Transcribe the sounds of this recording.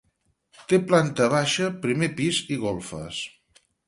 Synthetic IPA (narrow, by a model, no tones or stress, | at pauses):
t̪eplant̪əβ̞aʃəpɾimepiziɣolˠfə̰s